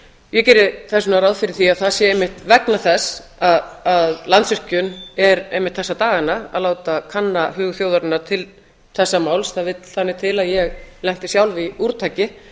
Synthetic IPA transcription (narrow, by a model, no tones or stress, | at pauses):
jɛcɛːɾɪθɛsʏnaɾaːwðfɪɾɪɾ̥θiaðθasjɛejmːɪht̪vɛknaθɛsaðaðlant̪svʏr̥cʏnɛɾejmɪht̪θɛsːat̪aːɣanaa̰ðloːwt̪akʰanːaɦʏːɣθjowðaɾɪnːaɾ̥t̪ʰɪl | θɛsːamaːwlsθaðvɪt̪l̥θanːɪt̪ʰɪlaðjɛɣlɛŋ̥t̪ɪsjawlviuɾt̪ʰaːjcɪ